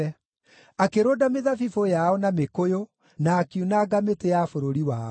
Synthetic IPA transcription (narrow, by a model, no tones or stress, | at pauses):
ɛ | akeɾoːdameðafifojaɔnamekojo | naːkiunaɡametejafoɾoɾiwa